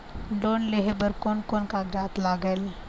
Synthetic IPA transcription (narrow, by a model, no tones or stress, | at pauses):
ɖoːnleɦebəɾkoːnkoːnkaɡɾaːt̪laːɡəl